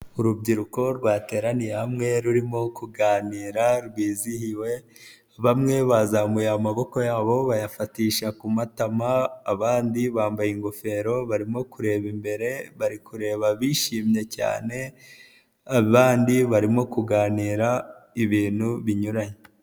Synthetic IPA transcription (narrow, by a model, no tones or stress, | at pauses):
uɾubɟiɾuko̞ɾɡwaːte̞ːɾanijaamŋe̞ɾuɾimo̞kuɡaːniːɾaɾɡwiːzihiwe̞ | βamŋe̞βazamujamaβo̞ko̞jaːβo̞βajafatiːʃakumatamaːβaːndiβaːmbajiŋɡo̞fe̞ɾo̞βaɾimo̞kuɾe̞ːβimbe̞ɾe̞βaɾikuɾe̞ːβaβiʃiːmɲe̞ca̰ːne̞ | aβaːndiβaɾimo̞kuɡaːniːɾaiβiːn̥huβiɲuɾaɲe